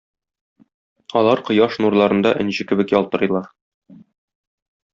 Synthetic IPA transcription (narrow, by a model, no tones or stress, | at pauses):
ɒlˠɑɾqŏjɑʃnuɾlˠɑɾɤ̆nd̪ɑʔɘ̆nɕɘkɘ̆bɘ̆kjɒlˠt̪ɤ̆ɾɤ̆jlˠɑɾ